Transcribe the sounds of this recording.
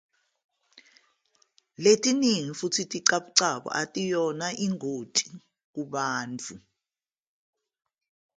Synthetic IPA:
letʼiniŋifutʰitʼiǀaɓuǀaɓɔ̰ʔatʼijɔnaʔiŋʱotʼi̥ | k̬uɓaːnt͡fʰu

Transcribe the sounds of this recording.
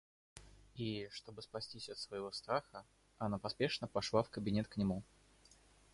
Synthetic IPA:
iʂt̪o̞bɨspɐsʲtʲisʲɐt̪svəjɪvo̞st̪ɾaxə | ɐnapɐspʲe̞ʂnəpɐʂlˠafkəbʲɪnʲet̪knʲɪmu

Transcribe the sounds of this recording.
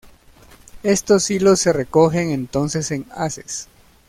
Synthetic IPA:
e̞st̪osilosːe̞reko̞xeŋẽnt̪o̞nse̞seŋase̥s

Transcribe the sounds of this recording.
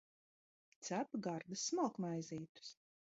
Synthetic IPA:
t̪sæpɡaɾd̪ɨsmɔlˠkmajziːt̪u̥s

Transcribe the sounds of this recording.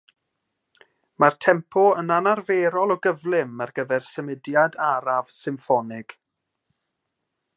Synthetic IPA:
martʰɛmpʰɔənanarveːɾɔlˠɔɡəvlˠɪmːarɡəvɛrsəmɪdjadaɾav̥sɪmfɔnɪɡ̥

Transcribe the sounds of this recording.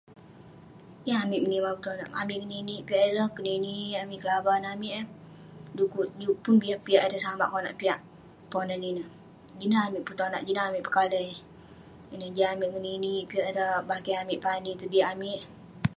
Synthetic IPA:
jaamiʔmənimapət̪ona̰ʔa̰mɪʔkəniniʔpiaʔdəhkəniniamɪʔkəlabanamiʔ | dukuʔd͡ʒupunbiapiaʔadasama̰ʔkona̰ʔpiaʔ | ponaninə | d͡ʒinaamɪʔpət̪ona̰ʔd͡ʒinaamɪʔpəkalə | inəd͡ʒaamiʔkəniniʔpiaʔdəbakaamiʔpanit̪ədiʔamiʔ

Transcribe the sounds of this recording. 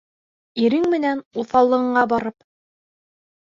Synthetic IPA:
iɾɘŋmɘ̆nænuθɑlˠːɤ̆ʁɤ̆ɴɑbɑɾɤp

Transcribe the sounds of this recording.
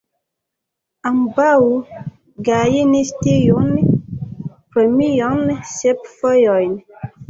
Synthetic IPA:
ambawu | ɡajenistejoʔni | pɛmijɔŋnisɛp̚fɔjɔjni

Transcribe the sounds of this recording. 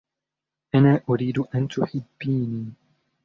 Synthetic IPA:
ʔanaːʔʊɾiːd̪ʔant̪ʊħɪbːiːniː

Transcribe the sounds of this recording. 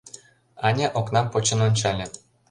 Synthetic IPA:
ɑnʲeʔoknɑmpot͡ɕə̆nonʲt͡ɕɑlʲĕ

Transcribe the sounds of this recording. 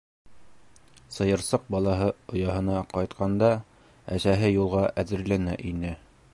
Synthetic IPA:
sɤ̆jɤ̆ɾsɤq̚bɑlˠɑɦɤŏjɑɦɤ̆nɑqɑjt̪qɑnd̪ɑ | æsæɦɘjulˠʁɑʔæðɘ̆ɾlænæʔinɘ

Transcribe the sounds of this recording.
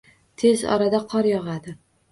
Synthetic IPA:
t̪ʰe̞zɒ̰ɾad̪aqʰɒɾjɒʁad̪ɪ

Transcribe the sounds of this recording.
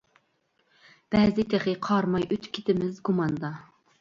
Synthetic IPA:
b̥ɛzɪt̪ʰeχɪqʰɑɾmɑjøt̪kʲʰɪt̪ʰɪmɪzɡumɑnd̪ɑ

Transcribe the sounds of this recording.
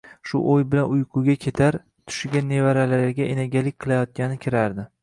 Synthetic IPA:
ʃʊʔojbɪlanʊjqʰʊɡʲakʲʰe̞t̪ʰaɾ | t̪ʰʊ̥ʃɪɡʲanːe̞vaɾalaɾɡʲaʔenaɡʲalɪkʲqʰɨlajɒt̪̚kʲanɪkʲʰɪɾaɾd̪ɪ

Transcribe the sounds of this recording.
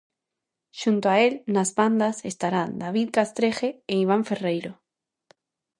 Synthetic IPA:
ʃunt̪oaelnazβand̪asest̪aɾand̪aβ̞iðkast̪ɾexeːiβ̞aɱferejɾo

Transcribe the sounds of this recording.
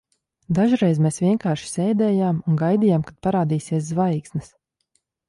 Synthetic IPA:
d̪aʒuɾɛjzmeːsvʲiɛŋkaːɾʃi̥sɛjd̪ɛːjaːmunɡajd̪ijaːmkat̪̚paɾaːd̪iːsiɛs̬zvajksnɨs

